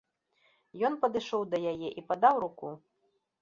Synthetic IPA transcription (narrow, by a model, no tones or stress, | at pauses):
jɔnpɐd̪ɨʂɔwd̪ɐjajɛʔipad̪awɾuku